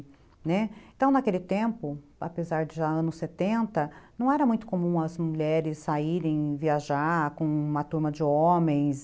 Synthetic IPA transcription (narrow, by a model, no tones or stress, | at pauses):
nɛẽt̪ɐ̃w̃nakelɪt̪ẽmpʊa̰pezaɾd͡ʒɪʒaɐ̃nʊsːet̪ẽnt̪ɐnɐ̃w̃ɛɾɐmũj̃t̪ʊ̥komũɐzmuʎɛɾɪsːaiɾẽj̃viaʒaɾkõũmɐt̪uɾmɐd͡ʒɪomẽj̃s